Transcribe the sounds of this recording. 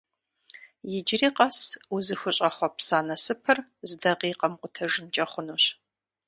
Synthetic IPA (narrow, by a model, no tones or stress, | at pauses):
jɪd͡ʒɪriːqɐsuzɨxʷʊɕʼɐχʷɔpsaːnɐsɨpʰɨrzdɐʁiːqɐmqʷʼʊtʰɐʒɨnt͡ʃʼɐχʷʊnuːɕ